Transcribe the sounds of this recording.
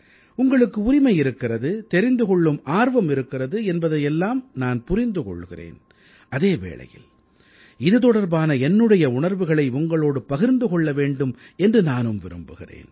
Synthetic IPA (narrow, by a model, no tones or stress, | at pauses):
ʊŋɡɐɭɯkːɯʊɾɪmɐɪɪɾɯkːɪrɐðɯt̪ɛɾɪnd̪ɯkɔɭːɯmʔaːɾʋɐmɪɾɯkːɪrɐðɯɛnbɐðɐjɛlːaːmnaːnpʊɾɪnd̪ɯkɔ̰ɭːɯɣɪrḛːn | ʔɐðeːʋḛːɭɐ̰jɪ̰l | ɪðɯt̪ɔɽɐɾbaːnɐɛnːɯɽɐjɐʊɳɐɾʋɯɣɐɭɐɪʊŋɡɐɭoːɽɯpɐɣɪɾnd̪ɯkɔɭːɐʋeːɳɖɯm | ɛndrɯnaːnɯmʋɪɾɯmbɯɣɪrḛːn